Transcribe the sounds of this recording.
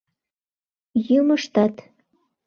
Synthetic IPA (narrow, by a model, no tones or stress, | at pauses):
jyməʃt̪ɑt̪